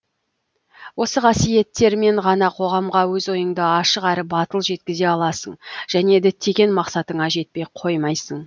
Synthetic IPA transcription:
wo̞səqʰɑsije̞t̪ːe̞ɾme̞ɴʁɑnɑqʰo̞ʁɑmʁɑwɵzwo̞jəɴd̪əɑʃəqæɾɪbɑt̪əlˠʒe̞t̪̚kʲɪze̞ɑlˠɑsəɴʒ̥æne̞d̪ɪt̪ʰeɡʲe̞nmɑqsɑt̪əɴɑʒe̞t̪̚pe̞jqʰo̞jmɑjsəɴ

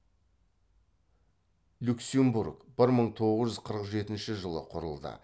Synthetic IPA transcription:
lʲuksembuɾkb̥ɪɾməɴt̪ʰo̞ʁəzʒʏzqʰəɾəqʒe̞t̪ɪnʃɪʒəlˠəqʰʊɾəlˠd̪ə̰

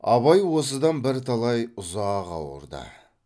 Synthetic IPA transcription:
ɑβɑjwo̞s̬əd̪ɑnbɪɾt̪ʰɑlˠɑjʊzɑːʁɑ̰wə̰ɾd̪ə̰

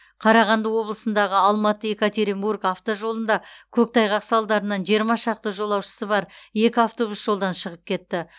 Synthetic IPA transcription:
qʰɑɾɑʁɑnd̪əwo̞blˠəsənd̪ɑʁəɑlˠmɑt̪əe̞kat̪e̞ɾimburkaft̪oʒo̞lˠənd̪ɑkʲʰɵk̚t̪ʰɑjʁɑqsɑlˠd̪ɑɾənɑnʒijəɾmɑʃɑq̚t̪əʒo̞lˠɑwʃə̥səbɑɾje̞kʲɪaft̪o̞busʒ̥o̞lˠd̪ɑnʃəʁəp̚kʲʰe̞t̪ːɪ

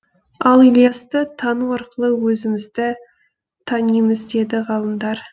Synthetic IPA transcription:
ɑlˠilʲˠijɑst̪ət̪ʰɑnuɑɾqəlˠəwɵzɪmɪzd̪ɪ | t̪ʰɑnijməzd̪e̞d̪ɪʁɑlˠəmd̪ɑɾ

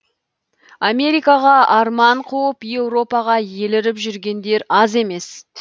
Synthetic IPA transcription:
amʲe̞ɾijkɑʁɑɑɾmɑɴqʰuwəpje̞wɾo̞pɑʁɑje̞lɪɾɪpʒʏɾɡʲe̞nd̪e̞ɾɑze̞me̞s

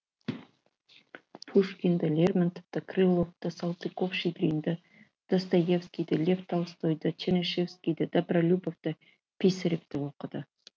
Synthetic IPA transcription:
pʰuʂkʲind̪əlʲermant̪ovt̪əkʰrɨlˠoft̪əsalˠt̪ikofʃid̪ɾʲind̪ə | d̪̥ast̪ajefskʲijd̪əlʲeft̪ʰalˠst̪ojd̪ət͡ʃʰenʲeʃefskʲijd̪əd̪apralʲubovt̪ə | pʲisɪɾep̚t̪ɪwoqəd̪ə

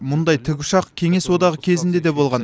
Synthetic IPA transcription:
mʊnd̪ɑjt̪ʰɪɡʲʊʃɑqkʲʰe̞ŋe̞swo̞d̪ɑʁəkʲʰe̞zɪnd̪ed̪e̞bo̞lˠʁɑn

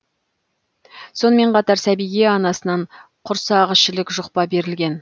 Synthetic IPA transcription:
so̞nəme̞ɴqʰɑt̪ɑɾsæbijɡʲeɑnɑsənɑɴ | qʰʊɾsɑʁəʃɪlɪkʒʊqpɑbe̞ɾɪlɡʲe̞n

